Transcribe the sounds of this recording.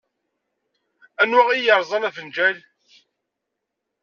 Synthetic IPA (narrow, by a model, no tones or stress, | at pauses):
ænwæʁijəɾˤzˤɑnævənd͡ʒæl